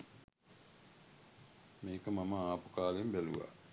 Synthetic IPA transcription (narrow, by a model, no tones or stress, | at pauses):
meːkəmaməaːpu̥kaːlembælṵʋa̰